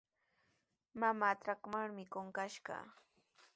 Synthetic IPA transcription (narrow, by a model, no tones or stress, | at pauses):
mamaːt̪ɾakmaŋmɪkoŋkaʃɢɑ̰